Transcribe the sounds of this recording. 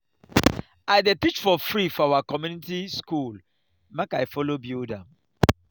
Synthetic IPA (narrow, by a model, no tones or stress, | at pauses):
aɪdepit͡ʃfɔfɾifɔawakɔmjunitiskul | makajfɔlobilda